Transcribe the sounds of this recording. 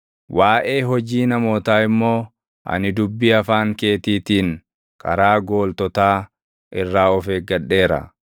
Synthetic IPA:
waːʔeːɦɔd͡ʒiːnɐmo̞ːt̪aːɪmːo̞ː | ʔɐ̰nɪd̪ʊbːiɐfaːŋke̞ːt̪iːt̪iːŋ | kɐ̰ɾaːɡo̞ːlt̪ɔt̪aː | ʔɪrːaːɔfeːɡɐɗːe̞ːɾɐ̰

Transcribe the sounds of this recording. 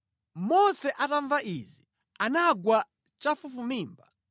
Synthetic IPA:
mɔsɛʔataɱvaʔizi | anaɡwa | t͡ʃafufumiːmba

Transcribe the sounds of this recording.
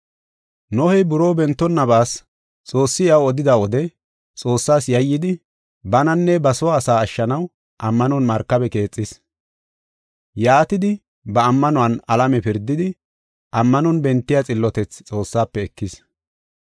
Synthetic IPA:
nɔhɛjbʊɾo̞ːbɛnt̪ːɔnːɐbaːs | t͡sʼo̞ːsːɪɐwɔd̪ɪd̪awɔd̪ɛ | t͡sʼo̞ːsːaːsjɐjːɪd̪ɪ | bɐnɐnːɛbɐsɔwaːsaːɐʃːɐnɐw | ʔɐmːɐnɔnmɐɾkːɐbɛke̞ːt͡sʼːɪs | jaːt̪ɪd̪ɪ | bɐːmːɐnɔɐnɐlɐmɛpɪɾd̪ːɪd̪ɪ | ʔɐmːɐnɔnbɛnt̪ːɪjat͡sʼɪlːɔt̪ɛt͡st͡sʼo̞ːsːaːpːɛːkːɪs

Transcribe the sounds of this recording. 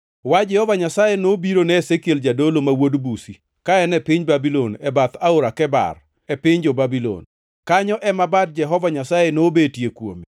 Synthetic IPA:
wad͡ʒɛhɔvaɲasajenobiɾonɛːsekjeld͡ʒadolomawodbusi | kaɛnɛpɪɲbabilonɛbat̪aoɾakɛba̰r | ɛpɪɲd͡ʒɔbabilo̰n | kaɲɔʔɛmabad̚d͡ʒɛɦɔvaɲasajenoːbetjekwo̰me

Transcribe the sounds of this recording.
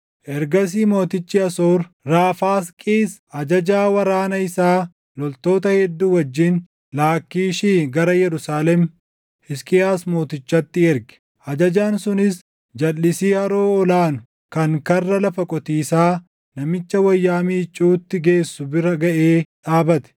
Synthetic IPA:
ʔɛɾɡɐs̬iːmo̞ːt̪ɪt͡ʃːɪɐsoːɾɾaːfaːskʼiːsʔɐd͡ʒɐd͡ʒaːwɐɾaːnɐɪsaː | lɔlt̪o̞ːt̪ɐhɛd̪ːuːwɐd͡ʒːɪn | laːkːiːʃiːɡɐɾɐjɛɾʊsaːlɛm | ɪskʼɪjaːsmo̞ːt̪ɪt͡ʃːɐt̪ːɪɛɾɡɛ̥ | ʔɐd͡ʒɐd͡ʒaːnsʊnɪs | d͡ʒɐlːɪsiːhɐɾoːɔlaːnʊ̥ | kɐŋkɐrːɐlɐfɐkʼɔt̪iːsaː | nɐmɪt͡ʃːɐwɐjːaːmiːt͡ʃʼːuːt̪ːɪɡe̞ːsːʊbɪɾɐɡɐʔeːᶑaːbɐt̪ɛ̥

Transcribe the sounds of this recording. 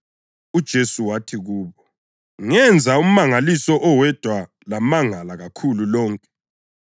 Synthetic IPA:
ud̥ʒ̥ʱesuwatʰiɣuːβɔ | ŋɛnd͡zʱaum̩maŋalisɔʔɔwɛd̥ʱwa | lamaŋalaɣakʰululɔːŋkʼɛ̥

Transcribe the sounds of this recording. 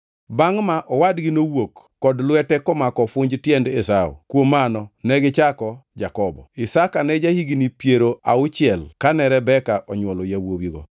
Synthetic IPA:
baŋmaʔɔwadɡɪnowokːɔdlwɛtɛkɔmakɔfʊɲd͡ʒtjɛndesao̰kwomanɔnɛɡɪt͡ʃakɔd͡ʒakɔbɔ̰ɪsakanɛd͡ʒahiɡinipjeɾoa̰ʊt͡ʃɪɛlkanɛɾɛbɛkaʔɔɲwɔlojawowiɡɔ̰

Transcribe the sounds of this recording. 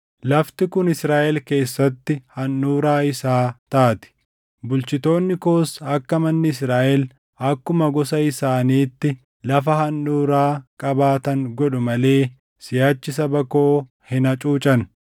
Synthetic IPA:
lɐft̪ɪkʊnɪsɾaːʔɛlke̞ːsːɐt̪ːɪhɐnːuːɾaːɪsaːt̪aːt̪ɪ̥ | bʊlt͡ʃɪt̪o̞ːnːɪko̞ːsɐkːɐmɐnːɪɪs̬ɾaːʔɛl | ɐkːʊmɐɡɔsɐɪsaːniːt̪ːɪ | lɐfɐhɐnːuːɾaːkʼɐbaːt̪ɐŋɡɔᶑʊmɐle̞ː | sɪjaːt͡ʃːɪsɐbɐko̞ː | hɪnɐt͡ʃʼuːt͡ʃʼɐn

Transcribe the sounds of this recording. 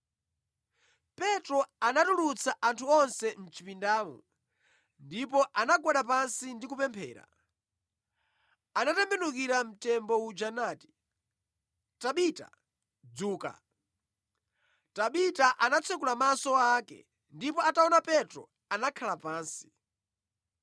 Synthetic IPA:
pɛtɾɔanatulut͡sʰaʔantʰuɔnsɛm̩t͡ʃipindaːmɔ̰ | ndipɔʔanaɡɔɗapansindikupɛmpʰɛːɾa̰ | anatɛmbɛnukiɾam̩tɛmbɔud͡ʒanaːti̥ | taɓita̰ | d͡zuːka̰ | taɓitaʔanat͡sʰɛkulamasɔaːkɛ̰ | ndipɔataɔnapɛtɾɔ̰ | anakʰalapaːnsi̥

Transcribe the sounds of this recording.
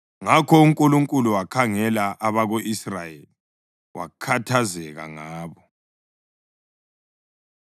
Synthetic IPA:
ŋakʰɔuŋkʼuluŋkʼuluwakʰaŋɛlaʔaβaɣoʔisrajeli | wa̰kʰatʰazɛɣa̰ŋaːβɔ

